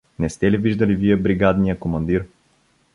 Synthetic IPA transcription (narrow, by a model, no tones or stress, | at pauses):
nɛst̪ɛliviʒd̪ɐliviɛbɾiɡad̪nijəkomɐnd̪iɾ